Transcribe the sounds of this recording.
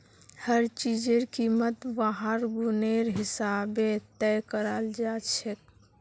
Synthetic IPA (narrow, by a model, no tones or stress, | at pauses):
həɾt͡ʃid͡ʒeɾkimət̪baɦəɾɡuneɾɦisabet̪ɛkəɾəld͡ʒat͡ʃʰɛk